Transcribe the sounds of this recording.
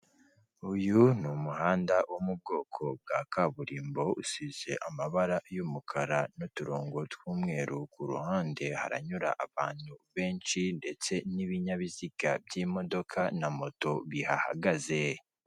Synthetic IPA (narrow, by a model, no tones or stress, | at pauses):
ujunumuɦaːndawʔomub̚ɡo̞ːkʰo̞b̚ɡakaβuɾiːmbo̞usize̞ʔamaβaɾajumukʰaɾanotuɾoːŋɡotwuːmŋe̞ːɾʔukuɾṵhaːnde̞ha̰ɾa̰ɲuɾa̰ʔaβaːn̥huβe̞ːnt͡ʃinde̞t͡se̞niβiɲaβiziɡ̥abjiːmo̞do̞kʰanamo̞to̞βiha̰ha̰ɡaze